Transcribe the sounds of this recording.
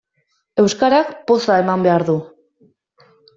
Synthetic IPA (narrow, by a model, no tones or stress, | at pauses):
e̞wskaɾakpo̞sae̞mambe̞aɾðu